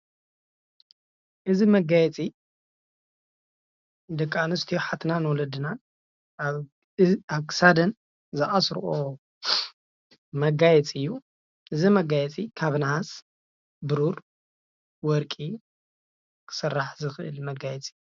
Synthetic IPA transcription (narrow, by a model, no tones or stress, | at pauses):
ʔɨzimɐɡajɛt͡sʼi | d̪ɐkʼːanɨst̪ʰijoħat̪ʰnanwɔlɐd̪ɨna | aβkʰɨ̥sad̪ɐn | zɨʔasɾʔo | mɐɡajɛt͡sʼɨjːu | ʔɨzimɐɡajɛt͡sʼikʰaβnahas | bɨɾuɾ | wɔɾkʼi | kʰɨ̥sɐrːaħzɨxɨʔɨ̰lmɐɡajɛt͡sʼi̥